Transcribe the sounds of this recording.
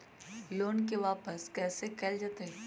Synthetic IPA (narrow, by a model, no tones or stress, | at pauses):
loːnkeʋaːpəskɛːsekɐld͡ʒaːt̪eɦɛ